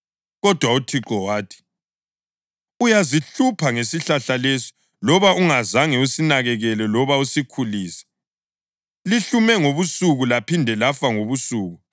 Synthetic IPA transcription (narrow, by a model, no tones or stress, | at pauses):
ɣɔd̥ʱwautʰiǁɔwaːtʰi̥ | ujaziɬupʰaŋesiɬaɬalesi̥ | lɔβaʔuŋazaŋɛusinaɣɛɣɛlɛlɔβausikʰuliːsɛ̥ | liɬumɛŋoβusuɣulapʰindʱɛlafaŋoβusuːɣu